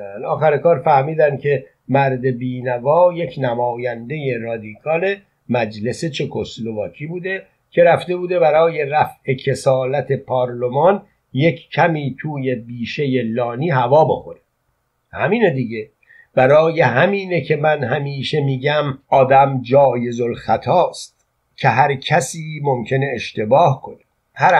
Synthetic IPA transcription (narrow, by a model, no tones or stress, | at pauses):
nɒːxæɾekɒːɾfæhmiːd̪æncʰe̞ | mæɾd̪e̞biːnævɒːje̞cʰnæmɒːjænd̪e̞je̞ɾɒːd̪ikʰɒːle̞ | mæd͡ʒle̞set͡ʃʰe̞kʰoslo̞vɒːcʰiːbuːd̪e̞ | cʰe̞ɾæft̪e̞buːd̪e̞bæɾɒːje̞ɾæfe̞cʰe̞sɒːlæt̪ʰe̞pʰɒːɾlomɒn | je̞kʰcʰæmiːt̪ʰuːje̞biːʃe̞jelɒːniːɦævɒːbo̞xo̞ɾe | hæ̰miːned̪iːɟe̞ | b̥æɾɒːje̞ɦæmiːnecʰe̞mænɦæmiːʃe̞miːɟæmɒːd̪æmd͡ʒɒːje̞zolxæt̪ʰɒːst̪̚ | kcʰe̞ɦæɾcʰæsiːmo̞mcʰe̞ne̞ːʃt̪e̞bɒːhkʰo̞ne | hæɾ